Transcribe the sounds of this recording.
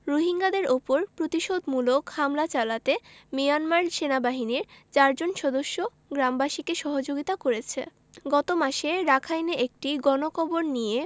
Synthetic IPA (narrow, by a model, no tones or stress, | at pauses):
ɾoɦiŋɡad̪eɾopoɾpɾot̪iʃod̪mulokhamlat͡ɕalat̪emijanmaɾʃenabaɦiniɾt͡ɕaɾd͡ʑonʃɔd̪oʃːo | ɡɾambaʃikeʃɔɦod͡ʑoɡit̪akoɾet͡ɕʰḛ | ɡɔt̪omaʃeɾakʰajneek̚ʈiɡɔnokʰɔboɾnije